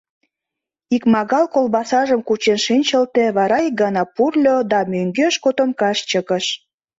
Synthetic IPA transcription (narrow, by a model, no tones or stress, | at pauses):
ikmɑɣɑlkolbɑsɑʒəmkut͡ɕenʃinʲt͡ɕəlt̪eβɑɾɑik̚ɡɑnɑpurlʲod̪ɑmøŋɡøʃkot̪omkɑʃt͡ɕəɣəʃ